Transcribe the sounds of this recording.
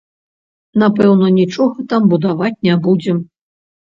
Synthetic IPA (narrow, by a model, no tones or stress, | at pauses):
napɛwnɐnʲit͡ʂɔɣɐt̪ambud̪avat͡sʲnʲabud͡zʲɛm